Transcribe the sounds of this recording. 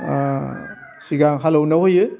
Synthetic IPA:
siɡaŋɦalownɐɦojɯ

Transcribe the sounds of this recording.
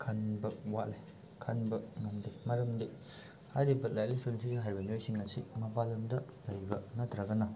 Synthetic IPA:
kʰɐnbɐk̚waʔle | kʰɐnbɐk̚ŋɐndemɐɾɐmdi | hajɾibɐt̚lajlisoɾensʰidiɡɐɦajɾbɐniojsiŋɐsimɐpalɐmdɐlɐjbɐnɐd̪ɾɐɡɐnɐ

